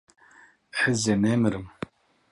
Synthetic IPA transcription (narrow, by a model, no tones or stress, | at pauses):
ħəzeneːmɨɾɨm